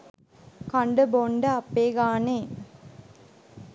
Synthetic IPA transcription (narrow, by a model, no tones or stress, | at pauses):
kɐɳɖəboɳɖɐɐpːeːɡaːneː